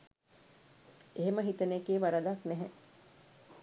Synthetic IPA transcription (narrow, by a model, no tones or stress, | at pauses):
eɦeməɦit̪ənekeːʋaɾəd̪aknɛɦɛ